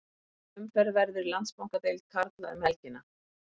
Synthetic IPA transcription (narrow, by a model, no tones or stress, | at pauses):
ʏmfɛɾvɛɾðʏɾlant̪spawŋkat̪ejlkʰaɾt̪la̰ʏ̰mhɛlcɪnːa